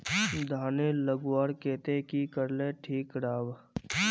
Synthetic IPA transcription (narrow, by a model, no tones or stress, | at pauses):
d̪ʱaːneləɡwaːɾkeːt̪ekikəɾleʈʰiːkɽaːw